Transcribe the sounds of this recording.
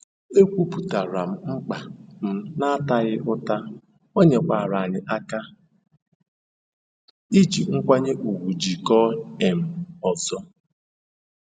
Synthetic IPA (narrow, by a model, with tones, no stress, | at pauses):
e˦kʷu˦pu˨ta˨ɾa˨m̩˨ŋ͡m̩˦k͡pa˨m̩˦na˦ta˦ɣɪ˦ʔʊ˦ta˦ | o˦ɲe˨kʷa˨ɾa˨ɲɪ˨ʔa˦ka˦ | i˦t͡ʃi˨ŋ̩˦kʷa˦ɲe˦ʔu˨ɡʷu˨d͡ʒi˨kɔ˦e˨m̩˨ɔ˨zɔ˦